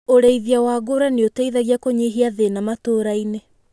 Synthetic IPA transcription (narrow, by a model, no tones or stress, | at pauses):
oɾeiðiawaɡoɾaneotaiðaɣiakoɲeɦiaðenamatoːɾaine